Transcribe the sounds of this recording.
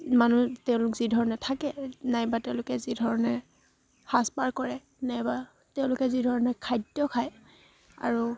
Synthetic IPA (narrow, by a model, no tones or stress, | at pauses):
manutɛʊ̃lʊkzidʱɔɹɔnɛtʰakɛnajbatɛʊ̃lʊkɛzidʱɔɹɔnɛ | haspaɹkɔɹɛ | najba | tɛʊ̃lʊkɛzidʱɔɹɔnɛkʰajdjɔkʰaj | a̰ɹu